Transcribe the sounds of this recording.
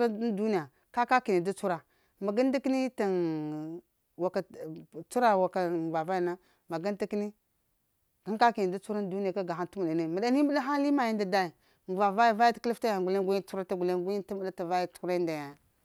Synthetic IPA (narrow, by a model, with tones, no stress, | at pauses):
ɾa˦du˦ni˦ja˨ | ka˦ka˦ki˨ni˨du˦t͡su˦ɾa˨ | ma˨ɡa˦n˦da˦ki˦ni˦ta˨n | wa˨ka˨t͡su˦ɾa˨wa˨ka˨va˨va˦ja˨na˦ | ma˨ɡa˦n˦di˦ki˦ni˦ | ɡa˦ŋ˦ka˦ki˨ni˨da˦t͡su˦ɾa˦n˦du˦ni˦ja˨ka˦ɡa˨ɦa˦ntu˦mu˨ɗa˨ne˦˨ma˨da˨ni˦mə˦ɗa˦ɦa˦li˦ma˨ji˦nda˨da˦i˨ | m˨va˨va˦ja˨va˦ja˦tki˦fta˦ja˨ɡu˨le˦ɡʷu˦u˦ɾa˦ta˦ɡu˨le˦ɡʷu˦i˦ta˦mə˦da˦ta˨va˦ja˦tu̥˨˦ku˦ɾa˦nda˨ja˨